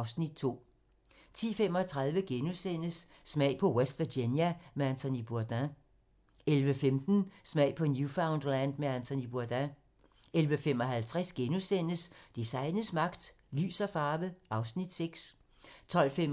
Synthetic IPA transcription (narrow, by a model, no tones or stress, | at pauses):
ʊsnid̥̚t͡sʰo̝̰ː | t͡sʰḭːfem̰ɒ̽t͡sʰʁɑ̈ð̞ˠʋəɡ̥enusen̰əsː | mɛɪ̰pʰɒ̽wesd̥ʋeɡenjæmeænt͡sʰonib̥uɐd̥æ̃ | elʋəfemd̥n̩smæ̰ɪ̰pʰɒ̽njufäʊnd̥lænd̥meænt͡sʰonib̥uɐd̥æ̃ | elʋəfemɒ̽ɦælt͡sʰʁɛsɡ̥enusen̰əsd̥isɑ̈ɪnəsmɑ̈ɡ̥d̥ | ly̰ːsɐfɑ̈ːʋəɑ̈ʊsnid̥seɡ̥s | t͡sʰɒ̽l̰fem